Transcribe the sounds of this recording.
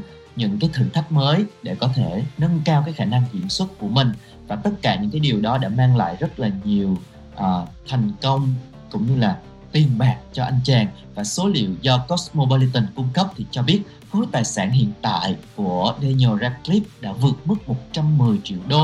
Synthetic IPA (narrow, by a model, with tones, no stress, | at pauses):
ɲɨ̰˧˥ŋkaː˨˦jt̪ʰɨ˨˧˩t̪ʰa˦˥jk̚məː˨˦jɗe˧˩kɔ˨˦t̪ʰe˧˩nə˧nkaː˧wkaː˨˦jxaː˧˩na˧ŋkḭ˧˩ənswə˦˥t̚ku˧˩əmï˨˩ŋ̟ | vaː˨˩t̪ə˦˥t̚kaː˧˩ɲɨ̰˧˥ŋkaː˨˦jɗi˨˩əwɗɔ˨˦ɗa̰ː˧˥maː˧ŋla̰ː˧˨jzə˦˥t̚laː˨˩ɲi˨˩əw | ʔaː˨˩t̪ʰɛ˨˩jŋ̟kə˧wŋ͡m | kʊ̰˧˥ŋ͡mɲɨ˧laː˨˩ | t̪i˨˩ənɓaː˨˩k̚t͡ɕɔ˧ʔa˧jŋ̟t͡ɕaː˧˩ŋ | vaː˨˩so˨˦lḭ˧˨əwzɔ˧kɔ˦˥smo˧ɓo˧li˧t̪ə˧nkʊ˧ŋ͡mkə˦˥p̚t̪ʰi˨˩t͡ɕɔ˧ɓi˦˥ət̚ | fu˨˦t̪aː˨˩jsaː˧˩nɦḭ˧˨ənt̪a̰ː˧˨jku˧˩əɗe˧ɲo˧zaː˧kli˦˥p̚ɗa̰ː˧˥vɨ˨˩ət̚mɨ˦˥k̚mo˨˩t̚t͡ɕa˧mːɨ˨˩əjt͡ɕḭ˧˨əwɗo˧